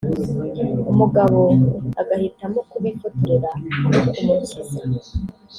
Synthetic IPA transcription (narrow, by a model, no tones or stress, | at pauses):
umuɡaβoaɡahitamokuβifoteɾeɾaokumusiza